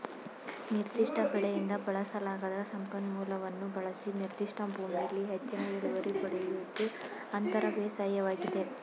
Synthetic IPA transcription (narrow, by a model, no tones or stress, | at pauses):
niɾd̪iʂʈʰɐbɛɭɛjind̪ɐbɐɭɐsɐlaːɡɐd̪ɐsɐmpɐnmuːlɐʋɐnːubɐɭɐsiniɾd̪iʂʈʰɐbʱuːmijɐlːiɦet͡ʃːɐnɐiɭuʋɐɾibɐɽelut̪ːu | ɐnt̪ɐɾɐʋeːsaːjɐʋaːɡid̪e̞